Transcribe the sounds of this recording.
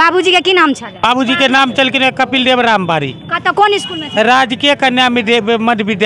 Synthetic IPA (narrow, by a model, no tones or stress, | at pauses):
babud͡ʒikekinamt͡ʃʰəlbabud͡ʒikenamt͡ʃəlkinekəpilɖebɾambaɾḭkat̪ɔkoniskulnɛt͡ʃɾad͡ʒkijəkənjamiɖebemədbiɖ